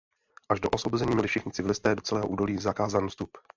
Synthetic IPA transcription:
ʔaʒdoʔosvobozɛɲiːmɛlɪfʃɛxɲɪt͡sɪvɪlɪst̪ɛːdo̞t͡sɛlɛːɦoʔuːdo̞liːzakaːzanːst̪up

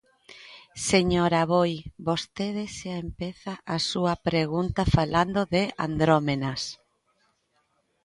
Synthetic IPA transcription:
seɲoɾaβojbost̪eðesaempeθaʔasuɐpɾeɣunt̪afaland̪oðea̰nd̪ɾomenas

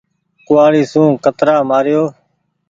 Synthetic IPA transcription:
kʊʋaːɽiːsũːkət̪ɾaːmaːɾɪjoː

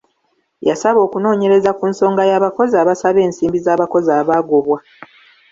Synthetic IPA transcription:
jasaβo̞ːkuno̞ːɲe̞ɾe̞zakunso̞ːŋɡajaːβako̞zaːβasaβe̞ːnsiːmbizaːβako̞zaːβaːɡoβwa

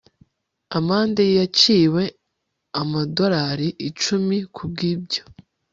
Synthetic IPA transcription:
amaːndejjat͡ʃiːwe̞ | amado̞ɾaɾiʔit͡ʃumikʰub̚ɡiːb̚ɟo̞

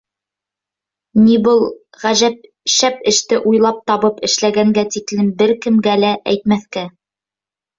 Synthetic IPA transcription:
nibɤlˠ | ʁæʒæp̚ | ʃæpɘ̆ʃt̪ɘʔujlˠɑp̚t̪ɑβɤpɘ̆ʃlæɡæŋɡæt̪iklɘmbɘɾkɘ̆mɡælæʔæjt̪̚mæθkæ

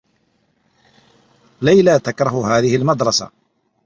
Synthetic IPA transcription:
lajlat̪akɾˤɑhʊɦaːðɪhɪlmɑd̪ɾˤɑsa̰

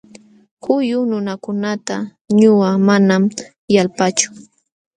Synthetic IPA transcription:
hʊjʊnʊnakʊnat̪a | ɲʊwamanam | jalpat͡ʃʊ̥

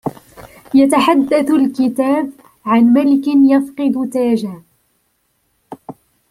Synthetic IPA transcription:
jat̪aħad̪ːaθʊlkɪt̪aːb | ʕanmalɪkɪnjafqɨd̪t̪aːd͡ʒaː

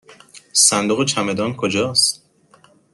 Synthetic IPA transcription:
sænd̪oɣet͡ʃʰæme̞d̪ɒːnkʰod͡ʒɒːs

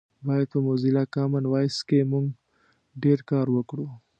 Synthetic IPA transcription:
bɑjad̪̚pəmozilakɑmɪnwɑjskemuŋɡ | ɖeɾkɑɾwəkɽu

